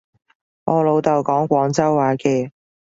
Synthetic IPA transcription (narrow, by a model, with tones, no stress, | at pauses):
ŋɔː˨˧lo˨˧wt̪ɐ˨˩wkɔː˨˥ŋkʷɔː˨˥ŋt͡sɐ˥wːaː˨˥kɛː˧